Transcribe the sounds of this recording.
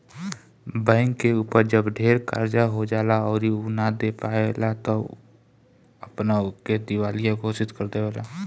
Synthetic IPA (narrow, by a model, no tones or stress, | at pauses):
bɛ̃ːŋkːeuːpəɾd͡ʒəbɖʱeːɾka̰ɾd͡ʒaɦod͡ʒaːlaɔːɾiunad̪epaelat̪o | əpnaʊked̪ɪwaːlijãɡʱoːsɪt̪kəɾd̪eʋɛːla̰